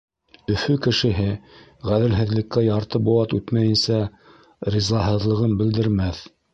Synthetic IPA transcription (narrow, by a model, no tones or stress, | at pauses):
ɵ̆fɵkɘ̆ʃɘ̆ɦɘ | ʁæðɘ̆lɦɘ̆ðlɘ̆kːæjɑɾt̪ɤbuw̪ɑt̪ʉt̪mæjɘ̆nsæ | ɾʲizɑɦɤ̆ðlˠɤ̆ʁɤnbɘ̆ld̪ɘ̆ɾmæθ